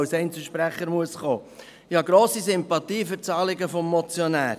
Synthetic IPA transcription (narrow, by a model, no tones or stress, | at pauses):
ʊsɛɪnt͡səʃpɾæχəɾmuəsχoː | hɑɡɾoːsisʏmpɑt̪iːfʏɾt͡sɑːlɪɡəfɔmːɔt͡sjɔnæː